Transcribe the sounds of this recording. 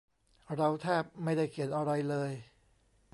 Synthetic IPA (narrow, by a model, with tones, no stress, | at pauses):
ɾa˧wt̪ʰɛː˥˩p̚ma˥˩jda˥˩jkʰi˨˩˦nʔa˧ɾa˧jlɤː˧j